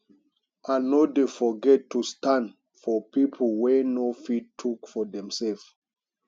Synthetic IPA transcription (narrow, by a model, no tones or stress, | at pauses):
anodefɔɡɛtːustãnd | fɔpipʰəl̩wɛnofittʰːukfɔdɛ̃msɛlf